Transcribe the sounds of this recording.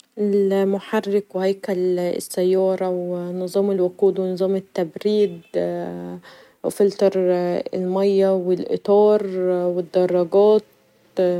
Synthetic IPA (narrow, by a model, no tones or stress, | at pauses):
ʔelmʊħarːɪkwhæjkælɪ̰sːæjːɑːɾˤɑwnɨzˤɑːmelwʊquːd̪wenɨzˤɑːmɪt̪ːæbɾiːd̪ | wfɪlt̪ɑɾˤɪ̰lmɑjːæwɪlʔɪ̰t̪ˤɑːɾˤwɪd̪ːɑrˤːɑɡɑːt̪̚